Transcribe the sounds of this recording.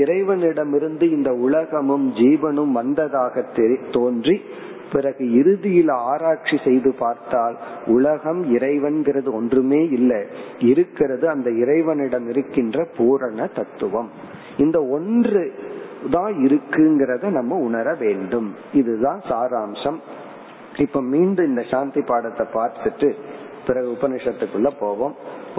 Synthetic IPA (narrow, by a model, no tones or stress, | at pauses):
ɪɾɐɪʋɐnɪɽɐmɪɾɯnd̪ɯɪnd̪ɐʊlɐɣɐmɯmd͡ʒiːʋɐnɯmʋɐnd̪ɐðaːɣɐt̪ːɛt̪oːndri | pɪɾɐɣɯɪɾɯðɪjɪlaːɾaːkʂisɛjðɯpaːɾt̪aːl | ʊɭɐɣɐmɪɾɐɪʋɐnɡɪrɐðɯɔndrɯmeːɪlːɐɪɾɯkːɪrɐðɯɐnd̪ɐɪɾɐɪʋɐnɪɽɐmɪɾɯkːɪndrɐpuːɾɐɳɐt̪ɐt̪ːɯʋɐm | ɪnd̪ɐɔndrɯðãːɪɾɯkːɯŋɡɪɾɐðɯnɐmːɐʊɳɐɾɐʋeːɳɖɯm | ɪðɯðãːnsaːɾaːmʂɐm | ɪpːomiːɳɖɯmɪnd̪ɐʂaːnt̪ɪpːaːɽɐt̪ːɐpːaːɾt̪ɯʈrɯ | pɪɾɐɣɯʊbɐnɪʂɐt̪ːɯkːɯɭːɐpoːʋɐːm